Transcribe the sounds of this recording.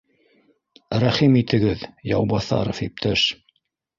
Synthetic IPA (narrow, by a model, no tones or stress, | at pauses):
ɾæχimit̪ɘ̆ɡɘðjɑ̰wbɑθɑ̰ɾofip̚t̪ʰæʃ